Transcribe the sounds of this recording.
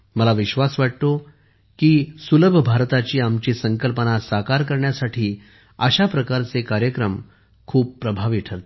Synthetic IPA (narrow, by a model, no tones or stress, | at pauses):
məlaʋiɕʋasʋaʈ̚t̪o | kiːsuləbʱəbʱaɾt̪at͡ɕiːamt͡ɕiːsəŋkəlpənasakaɾkəɾɳjasaʈʰiː | əɕapɾəkaɾt͡sekaɾjəkɾəm | kʰuːb̚pːɾəbʱaʋiʈʰəɾt̪